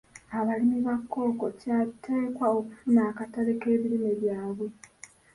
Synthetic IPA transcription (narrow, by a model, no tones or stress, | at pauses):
aβalimiβakʰːo̞ːko̞catʰe̞ːkwaokufunaːkataɾe̞ke̞ːβiɾime̞βjaːβwe̞